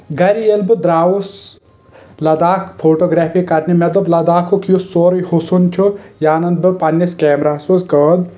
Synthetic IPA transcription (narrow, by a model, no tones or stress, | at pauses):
ɡɐɾielbɨd̪ɾaːus | lɐd̪aːkʰpʰoːʈoːɡɾaːpʰikɐɾnimed̪ɐblɐd̪aːkʰokjusoːɾɐjhusunt͡ʃʰujaːnɐnd̪̚bɨpɐnːiskeːmɾaːsɐskɐːd̪̚